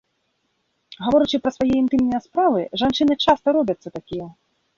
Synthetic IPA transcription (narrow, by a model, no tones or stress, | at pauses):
ɣavɔɾɨt͡ʂɨpɾɐsvajɛint̪ɨmnɐjɐspɾavɨʐant͡ʂɨnɨt͡ʂast̪ɐɾɔbʲɐt̪sːɐt̪akʲijɛ